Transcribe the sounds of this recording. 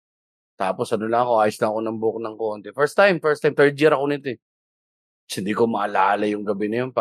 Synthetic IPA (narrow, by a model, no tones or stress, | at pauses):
t̪aːpo̞sʔɐnolɐŋɐko̞ʔaːjʊsnɐːko̞nɐmbʊok̚nɐŋko̞ːnt̪ɛfɛɹst̪ajmfɛɹst̪ajmt̪ɛɹd̪̚jiɾɐkonɪt̪oɛ | sɪnd̪iːkomɐʔɐlaːlɐjʊŋɡɐbɛnɐjonpa